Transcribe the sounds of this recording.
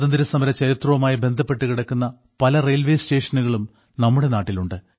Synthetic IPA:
ðɐnd̪iɾɐsɐmɐɾɐt͡ɕɐɾit̪rɐʋɐmaːjibe̞nd̪ʱɐpːe̞ʈːɨkiɽɐkːunːɐ | pɐlɐrejlʋeːsteːʂɐnuɣɐɭum | nɐmːuɽe̞naːʈːiluɳɖɨ

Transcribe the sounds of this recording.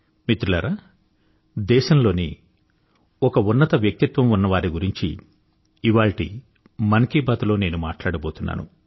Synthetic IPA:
mit̪ɾulaːɾaː | d̪ɛːʃɐmlo̞ːni | ɔkɐunːɐt̪ɐʋjɐk̚t̪it̪ʋɐmunːɐʋaːɾiɡuɾiɲt͡ʃḭː | ʋaːɭʈḭ | mɐnkibaːt̪ulo̞ːne̞ːnumaːʈlaːɽɐbo̞ːt̪unːa̰ːnṵ

